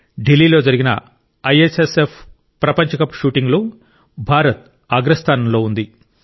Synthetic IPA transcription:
ɖilːiːlo̞ːd͡ʒɐɾiɡinɐ̰ | ɐjesesepʰ | pːɾɐpɐɲt͡ʃɐkɐpʃuːʈiŋɡlu | bʱaːɾɐt̪̚ | aːɡɾɐst̪ʰaːnɐmlo̞ːund̪i

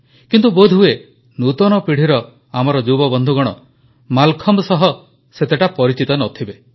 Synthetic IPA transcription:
kint̪ubod̪ʱue | nut̪ɔñɔpiɽ̤iɾɔ | amɔɾɔd͡ʒubɔbɔnd̪ʱuɡɔɽ̃ɔ | malkʰɔmsɔɦɔ | set̪eʈapɔɾit͡ʃit̪ɔnɔt̪ʰibe

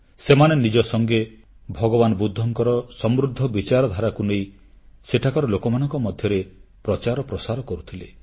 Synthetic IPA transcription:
semanenid͡ʒɔsɔŋɡe | bʱɔɡɔbanɔbud̪ʱːɔŋkɔɾɔsɔmɾud̪ʱːɔbit͡ʃaɾɔd̪ʱaɾakunej | seʈʰakɔɾɔlokɔmanɔŋkɔmɔd̪ʱjɔɾepɾɔt͡ʃaɾɔpɾɔsaɾɔkɔɾut̪ʰile

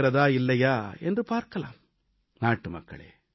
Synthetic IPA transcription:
ɾɐðaːɪlːɐjaːɛ̰ndrɯpaːɾkɐlaːm | naːʈːɯmɐ̰kːɐ̰ɭḛː

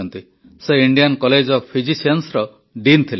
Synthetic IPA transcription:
ɔnt̪i | seiɳɖijankɔled͡ʒɔpʰid͡ʒisensɾɔ | ɖint̪ʰile

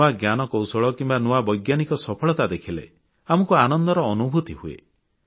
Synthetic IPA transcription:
aɡjanɔkɔwsɔɭɔkimbanuwabɔjɡjanikɔsɔpʰɔɭɔt̪ad̪ekʰilḛ | amɔkuanɔnd̪ɔɾɔːnubʱut̪ihuḛ

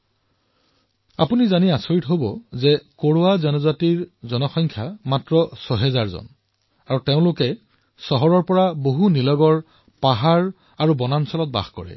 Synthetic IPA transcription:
a̰punizaniasoɹitɦobɔzɛkoɹoazɔnɔzatiɹzɔnɔxɔjŋkʰjamatɹɔsɔɦɛzaɹzɔ̰n | aɹuteʊ̃lʊkɛ | sɔɦɔɹɔɹpɔɹaboɦunilɔɡɔɹ | paɦaɹ | aɹubɔnansɔlɔt̚ba̰xkɔ̰ɹɛ̰

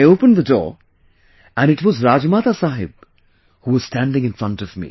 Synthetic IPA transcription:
ɪoʊpə̃nðədɔ̰ːɹ | æ̃nɨʈwʌzɾaːd͡ʒmaːt̪asaːɦɪb̚ | huwʌz̥stæ̃nɖɪ̃ŋɨ̃nfɹʌ̃ntʌvmḭ

